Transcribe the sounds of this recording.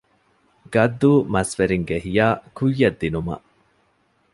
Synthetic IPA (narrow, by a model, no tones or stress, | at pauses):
ɡ̥ɐd̪ːuːmɐsʋeɾiŋɡeɦijaːkujːɐd̪ːinumɐ̰